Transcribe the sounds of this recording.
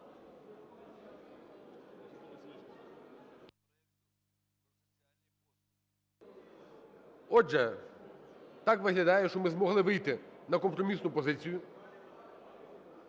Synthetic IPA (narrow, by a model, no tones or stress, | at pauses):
ɛk | alʲnʲi | ɔʒɛ | t̪ɑkʋɪɦlʲɐd̪ɑjɛʃt͡ʃɔmɪzmɔɦlˠɪʋɪjt̪ɪnɐkɔmpɾɔmʲisnʊpɔzɪt͡sʲijʊ